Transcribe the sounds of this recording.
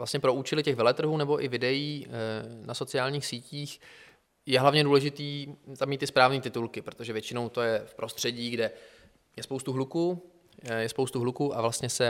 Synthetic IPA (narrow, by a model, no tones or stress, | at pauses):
vlast̪ɲɛpɾo̞uːt͡ʃɛlɪcɛɣvɛlɛt̪r̩ɦuːnɛbo̞ʔɪvɪdɛjiːnaso̞t͡sɪjaːlɲiːxsiːciːx | jɛɦlavɲɛduːlɛʒɪt̪iːt̪amiːt̪ːɪspɾaːvniːt̪ɪt̪ulkɪpɾot̪oʒɛvjɛt͡ʃɪnowt̪o̞jɛfpɾo̞st̪r̥ɛɟiːɡdɛ | jɛspo̞wst̪uɦluku | jɛspowst̪uɦlukuːʔavlast̪ɲɛsɛ